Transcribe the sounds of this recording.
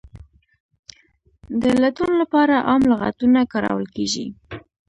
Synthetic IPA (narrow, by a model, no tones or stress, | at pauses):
d̪əlat̪unlapɑɾaʔɑmlaɣa̰t̪unakɑɾɑ̰wəlkeʒḭ